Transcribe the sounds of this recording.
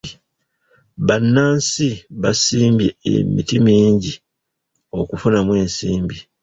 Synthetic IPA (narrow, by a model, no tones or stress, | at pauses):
βanːaːnsiβasiːmbjḛḛmitimiːɲɟi | o̞kufunamwe̞ːnsiːmbi